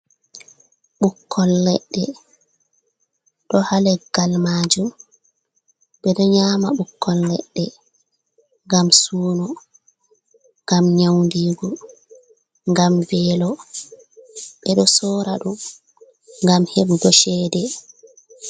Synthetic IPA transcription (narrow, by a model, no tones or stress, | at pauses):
ɓukʰːɔlːɛɗːɛ | ɗɔhalɛɡ̥almaːd͡ʒum | ɓɛɗɔɲaːmaɓukʰːɔlːɛ̰ɗːɛ | ŋɡamsuːnɔ | ŋɡamɲawndiːɡɔ | ŋɡamvɛlɔ | ɓɛɗɔsɔːɾaɗum | ŋɡamheɓuɡɔʃɛːdɛ